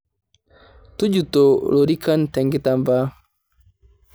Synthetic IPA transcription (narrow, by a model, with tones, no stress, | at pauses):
tu˦d͡ʒu˨to˨lo˨ɾi˦ka˦ntɛ˨ŋɡi˦ta˨mba˦